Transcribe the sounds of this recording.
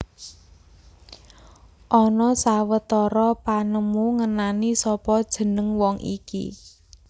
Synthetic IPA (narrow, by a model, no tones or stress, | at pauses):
ʔɔnɔsawət̪ɔɾɔpanəmuŋənanisɔpɔd̥ʒ̥ə̤nəŋwɔŋʔḭkḭ